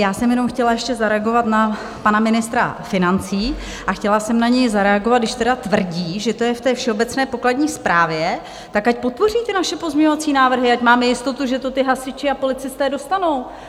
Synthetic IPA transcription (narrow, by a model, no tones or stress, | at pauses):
jaːsɛmjɛno̞mxcɛlajɛʃcɛzaɾɛaɡo̞vat̪na | panamɪnɪst̪ɾa̰fɪnant͡siː | ʔaxcɛlasɛmnaɲɛjzaɾɛaɡovat̪̚dɪʃt̪ɛdat̪vr̩ɟiːʒɛt̪o̞jɛft̪ɛːfʃɛo̞bɛt͡snɛːpo̞kladɲiːspɾʔaːvjɛ | t̪akacpo̞t̪̚po̞riːt̪ɪnaʃɛpo̞zɲɛɲovat͡siːnaːvr̩ɦɪacmaːmɛjɪst̪o̞t̪uʒɛt̪o̞t̪ɪɦasɪt͡ʃɪapo̞lɪt͡sɪst̪ɛːdo̞st̪ano̞w